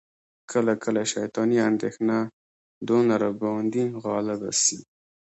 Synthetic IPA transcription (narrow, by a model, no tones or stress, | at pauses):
kʰəlakəlaʃajt̪ɑniand̪exna | d̪onaɾabɑnd̪iɣɑlɪba̰si